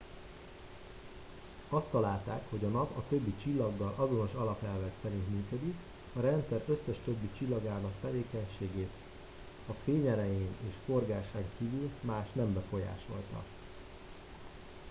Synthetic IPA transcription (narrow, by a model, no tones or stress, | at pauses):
ɒst̪ːɒlaːlt̪aːkho̞ɟɒnɒpɒt̪ø̞bːit͡ʃilːɒɡːɒlʔɒzo̞no̞ʃɒlɒpɛlvɛksɛɾint̪myːkød̪ik | ɒɾɛnt̪sɛɾøsːɛʃt̪ø̞bːit͡ʃilːɒɡaːnɒkt̪ɛveːkɛɲʃeːɡeːt̪ | ɒfeːɲɛlɛjeːneːʃfo̞rɡaːʃaŋkiːvylmaːʃnɛmbɛfo̞ja̰ːʃo̞̰lt̪ɒ̰